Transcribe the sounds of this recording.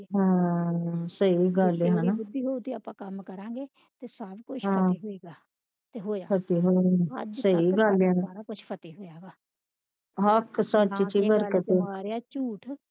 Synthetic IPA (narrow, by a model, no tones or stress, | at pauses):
ɦãː | səiɡəleɦanaːd̪iɦoːt̪iaːpãːkəmkəɾãːɡeː | t̪eːsabkʊt͡ʃɦãɦoiɡaː | t̪eɦoːjaːpʰət̪iːɦoːsəiɡəlːaːnt͡ʃpʰət̪iːɦojaːɡaː | ɦəksət͡ʃːt͡ʃiːbəɾkət̪et͡ʃuːʈʰ